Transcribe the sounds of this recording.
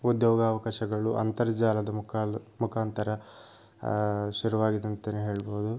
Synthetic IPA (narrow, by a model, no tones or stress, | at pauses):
ud̪joːɡaːʋɐkaːʃɐɡɐɭuʔɐ̰nt̪ɐɾɐd͡ʒaːlɐd̪ɐmkmukʰaːnt̪ɐɾɐ | ʃuɾuʋaːɡid̪ɐnt̪eneɦe̞ːɭboud̪u